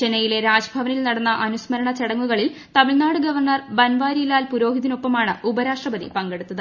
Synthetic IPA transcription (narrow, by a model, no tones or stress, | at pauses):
t͡ɕe̞nɐjile̞ɾaːd͡ʑɐbʱɐʋɐnilnɐɽɐnːɐʔɐnusmɐɾɐɳɐt͡ɕeɽɐŋːuɣɐɭilt̪ɐmiɭnaːɽɨɡɐʋɐrɳɐrbɐnʋaːɾiilaːlpuɾo̞ːɦiðino̞pːɐmaːɳɨubɐɾaːʂʈrɐbɐðḭpɐŋɡe̞ɽut̪ːɐðɨ